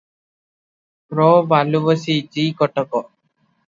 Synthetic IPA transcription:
pɾobalubəsid͡ʒiːkɔʈɔkɔ

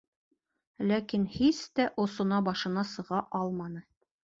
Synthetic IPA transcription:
lækinhist̪æʔŏsŏnɑbɑʃɤ̆nɑsɤ̆ʁɑʔɑlˠmɑnɤ

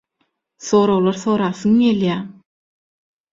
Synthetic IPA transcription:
θo̞ːɾowlˠoɾθo̞ːɾɑːθɯŋɡeljæː

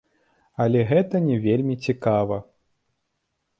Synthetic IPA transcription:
ɐlʲɛɣɛt̪ɐnʲɛvʲelʲmʲit͡sʲikavɐ

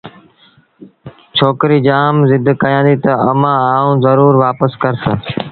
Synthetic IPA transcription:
t͡ʃʰoːkɾiːd͡ʒaːmzɪd̪ʱkəjãːd̪iːt̪əəmãːaːũːzəɾuːɾʋaːpəskəɾsə

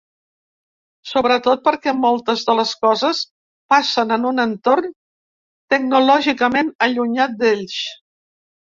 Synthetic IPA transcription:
soβɾət̪ot̪̚pəɾkɛmolˠt̪əzðələskɔzəs | pasənənunənt̪orn | t̪əɡ̚nulɔʒikəmenəʎuɲat̪̚d̪eʎʃ

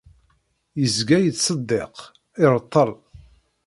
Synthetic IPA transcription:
jəzɡæjət͡sːsˤəd̪ːḛq | ɪɾˤt̪ˤːəlˤ

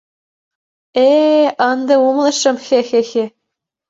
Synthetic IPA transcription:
eɤ̆nd̪ɤ̆umlˠɤ̆ʃɤ̆mxexexe

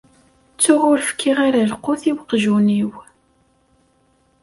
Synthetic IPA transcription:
t͡sːʊʁʊɾfə̥kʰːiʁaɾalqʊθiwəqʒuniw

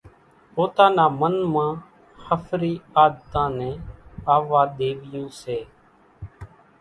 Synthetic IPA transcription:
poːt̪ãːnaːmənmãː | həfʰɾiːaːd̪t̪ãːnɛ̃ːaːʋaːɗ̪eːʋɪjõːseː

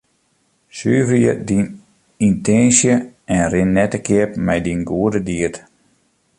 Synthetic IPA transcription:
syːvəjədin | intɛnsjəɛnrɪnːɛtəkʰɪəpmɛjdinɡuədədiət

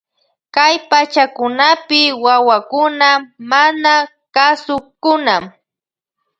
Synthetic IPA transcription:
kajpat͡ʃakʊnapɪwawakʊnamana | kasʊkʊnam

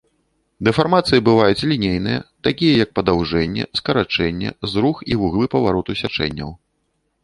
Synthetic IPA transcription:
d̪ɛfarmat̪sɨjɐbɨvajut͡sʲlʲinʲejn̪ɨjɐ̰t̪akʲijɐjɐk̚pɐd̪awʐɛnʲːɛ̰skɐɾat͡ʂɛnʲːɛ̰zɾuxivuɣlˠɨpɐvaɾɔt̪usʲat͡ʂɛ̰nʲːɐ̰w

